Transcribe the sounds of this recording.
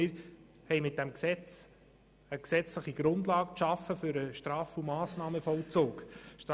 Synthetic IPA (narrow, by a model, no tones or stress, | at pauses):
ɪɾ | hɛɪmɪt̚d̥ɛmksɛt͡s | əksɛt͡sləχiɡ̥ɾʊndlɑːɡ̚ʃɑfːəfɵɾəʃtɾɑːfumɑːsnɑːməfɔlt͡soːkʃt